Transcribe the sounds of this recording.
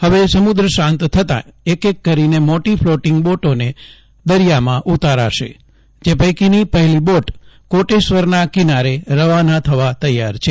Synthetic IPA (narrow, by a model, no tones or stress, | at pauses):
həʋesəmʊd̪ɾəʃãnt̪t̪ʰət̪ã̰ekekːəɾinemoʈifʰloʈɪŋɡboʈone | d̪əɾijamãʔut̪aɾa̰ʃḛ | d͡ʒepəjkinipəɦɛliboʈkoʈeʃʋəɾnakinaɾeɾəʋanat̪ʰəʋat̪əjːaɾt͡ʃʰe